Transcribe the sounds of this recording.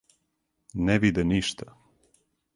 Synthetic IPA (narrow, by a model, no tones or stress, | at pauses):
nɛʋid̪ɛniʃt̪a